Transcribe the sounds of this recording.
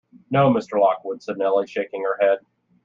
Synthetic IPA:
noʊmɪstə˞lɑkwʊd̥sɛdⁿnɛlˠiʃeɪkɪ̃ŋə˞hɛd̥̚

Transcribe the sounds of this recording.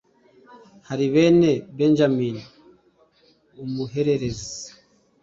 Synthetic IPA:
haɾiβeːnebend͡ʒamiːni | umuɦe̞ɾe̞ɾezi

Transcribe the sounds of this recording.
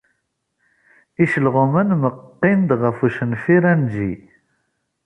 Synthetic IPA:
iʃəlʁʊmənməqːɪnd̪ʁəfuʃənfiɾænd͡ʒḭ

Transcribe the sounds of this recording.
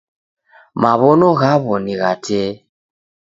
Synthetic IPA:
maβɔnɔɣaβɔniɣatɛ

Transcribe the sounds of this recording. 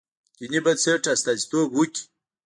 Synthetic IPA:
kinibat͡seʈ͡ʂast̪azi̥t̪obwukʲi̥

